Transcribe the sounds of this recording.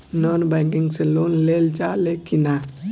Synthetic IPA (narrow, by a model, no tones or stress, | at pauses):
nonbaŋɡiŋselonleld͡ʒalekina